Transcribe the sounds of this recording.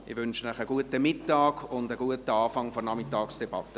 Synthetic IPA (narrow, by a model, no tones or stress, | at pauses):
ʔɪʋʏnʃənəχəɡ̥uətəmɪtːɑːɡ̥ʊndəɡuətəɑːfɑŋfɔnɑmɪtɑːksd̥ɛb̥ɑ̰tːə